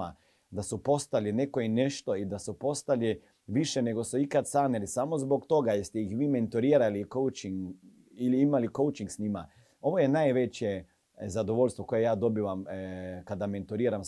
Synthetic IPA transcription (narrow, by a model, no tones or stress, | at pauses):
a | d̪asupo̞st̪aline̞koine̞ʃt̪o̞id̪asupo̞st̪ali | ʋiʃene̞ɡo̞suikat̪saːnelisaːmo̞zbo̞kt̪o̞ɡajest̪eixʋiːme̞nt̪uɾiːɾalikowt͡ʃiŋ | iliimaliko̞ut͡ʃiŋɡsnima | o̞ʋo̞jenaːjʋet͡ɕje | zad̪oʋo̞lʎʲst̪ʋo̞kojejaːd̪o̞biʋamkad̪ame̞nt̪uɾiːɾam